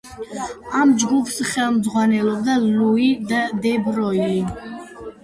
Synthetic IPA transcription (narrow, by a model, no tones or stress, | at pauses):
amd͡ʒɡupʰsχɛlˠmd̪zʁwanɛlˠɔbd̪alluid̪ad̪ɛbɾɔi